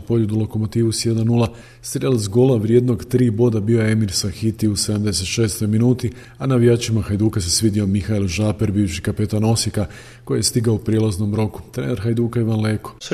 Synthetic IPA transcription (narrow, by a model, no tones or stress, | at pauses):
po̞ʎʲud̪ulˠo̞ko̞mo̞t̪iːʋusje̞d̪annula | st̪ɾielzɡo̞laʋɾje̞d̪noɡt̪ɾiːbo̞d̪abiojeemiɾsaxit̪iuse̞d̪amd̪ese̞t̪ʃe̞ːst̪o̞jminuːt̪i | anaʋijaːt͡ʃimaxajd̪uːkas̬esʋid̪io̞mixailʒaːpeɾbiːʋʃi̥kape̞t̪ano̞sika | ko̞jijest̪iɡaoupɾjelˠazno̞mɾo̞ku̥t̪ɾeːneɾxajd̪uːkaiʋanleːko̥